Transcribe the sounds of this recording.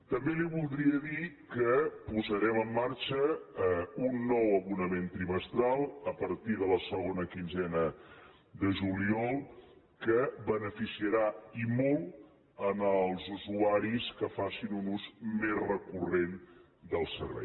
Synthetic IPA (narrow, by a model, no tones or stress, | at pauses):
t̪əmbeliβulˠd̪ɾiəðikəpuzəɾɛməmːaɾt͡ʃə | unːɔwəβunəment̪ɾiməst̪ɾalˠəpəɾt̪iðələsəɣonəkinzɛnə | d̪əʒuliɔlˠ | kəβənəfisiəɾaimɔlˠ | ənəlˠzuzuaɾiskəfasinunuzmezrəkuren | d̪əlˠsə̰ɾβɛ̰j